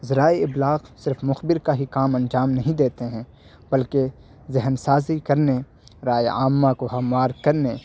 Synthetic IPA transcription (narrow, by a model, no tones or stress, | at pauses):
zɪɾaːiɪblaːɣsɪɾfmʊxbɪɾkaɦikaːmɐ̃nd͡ʒaːmnɐɦĩd̪eːt̪eɦɛ̃ː | bɐlke | zɪɦnsaːzikɐɾne | ɾaːjaːmːakoɦɐmːaːɾkɐɾne